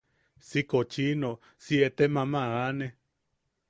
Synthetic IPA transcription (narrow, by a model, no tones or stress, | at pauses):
sikot͡ʃino | siet̪emãmaane